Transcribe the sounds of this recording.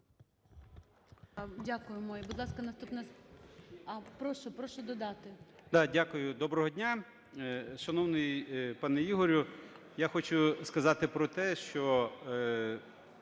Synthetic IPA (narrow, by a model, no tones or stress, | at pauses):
dʲakʊjʊmɔjɪbʊd̪lˠɑskɐnɐst̪upnɛs | ɐpɾɔʃʊpɾɔʃʊd̪ɔd̪ɑt̪ɪd̪̥ɑdʲakʊjʊd̪ɔbɾɔɦɔdʲnʲa | ʃɐnɔwnɪjpɑnɛiɦɔɾʲʊ | jaxɔt͡ʃʊskɐzɑt̪ɪpɾɔt̪ɛʃt͡ʃɔ